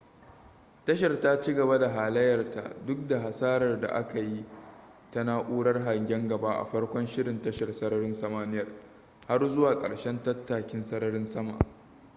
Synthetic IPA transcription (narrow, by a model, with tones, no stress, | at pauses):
tɐ˦ʃ̬ɐ˨rtaː˦t͡ʃiː˦ɡɐ˨ba˦da˨ɦaː˨lɐ˦jɐ˨rta̰˨dʊ˦k̚da˨ɦa˨saː˦ɾɐ˨rda̰˨ʔa̰˦ka˨ji˦ | ta˦naː˦ʔʷuː˦ɽɐ˦rɦa˨ŋɡʲɛ˦ŋɡɐ˨ba˦ʔa̰˨ɸɐ˦rkʷɔ˦nʃɪ˦ɽɪ˨ntɐ˦ʃɐ˨rsɐ˦ɾɐ˦ɽɪ˦nsɐ˨maː˦nɪ˦jɐ˨r | ha˦rzʊ˦waː˨kʼɐ̰˨ɽʃɛ˦ntɐ˦tːaː˨kʲɪ˦nsɐ˦ɽɐ˦ɽɪ˦nsɐ˦ma̰˨ʔ